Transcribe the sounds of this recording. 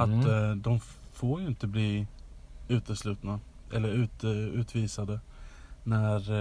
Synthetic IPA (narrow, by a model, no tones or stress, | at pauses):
at̪d̪ɔmfoːɾjɵɪnt̪əbliː | ʉ̟ːt̪əslʉ̟ːt̪naʔɛlːəɾʉ̟ːt̪ʉ̟ːt̪ʰviːsad̪ənæɾ